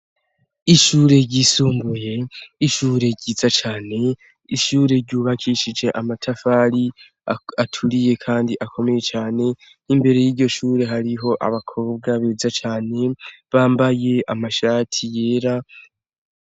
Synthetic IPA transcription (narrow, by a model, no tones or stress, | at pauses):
iʃuːɾe̞ɟisuːmbuje̞iʃuːɾe̞ɾɟiːt͡sat͡ʃaːne̞ | iʃuːɾe̞ɾɟuːβakʰiːʃid͡ʒe̞ʔamatʰafaːɾi | atʰuɾije̞kʰaːndiʔakʰo̞me̞je̞t͡ʃaːne̞ | imbe̞ɾe̞jiːɟo̞ʃuːɾe̞ɦaɾiɦo̞ʔa̰βakʰo̞ːb̚ɡaβeːzat͡ʃaːne̞βaːmbaje̞ʔamaʃaːtʰije̞ːɾa